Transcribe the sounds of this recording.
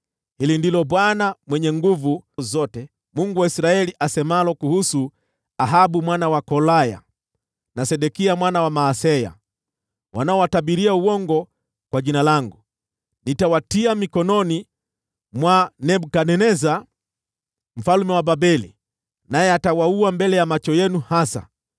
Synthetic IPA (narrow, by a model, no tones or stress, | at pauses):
hilindilɔɓwanamwɛɲɛŋɡuvuzɔtɛ | muŋɡuwaisɾaɛliʔasɛmalɔkuhusu | aɦaɓumwanawakɔlaja̰ | nasɛɗɛkiamwanawamaːsɛja̰ | wʔa̰naɔwatabiɾiauwɔŋɡɔ | kwaʄinalaŋɡu | nitawatiamikɔnɔni | mwanɛbukanɛnɛza | m̩falmɛwababɛlḭ | najɛatawauambɛlɛjamat͡ʃɔjɛnuhasa̰